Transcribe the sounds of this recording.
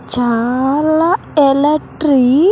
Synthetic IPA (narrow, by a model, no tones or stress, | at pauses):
d͡ʒaɾla | ɛlɛʈɾi